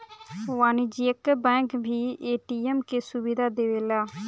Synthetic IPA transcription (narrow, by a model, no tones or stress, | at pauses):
ʋaːnid͡ʒiəkbɛ̃ːkbʱiːʔeːʈiːɛmkeːsʊbɪd̪aːd̪eːʋeːlaː